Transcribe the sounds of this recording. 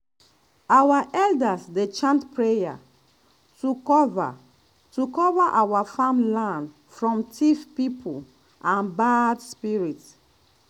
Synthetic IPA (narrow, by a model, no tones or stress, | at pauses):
awaʔɛldasdet͡ʃãntpɹeja̰ | tuva | tukɔvaʔawafãmlãnd | fɹɔ̃mtʰifpipʰul | ãnbadspiɹit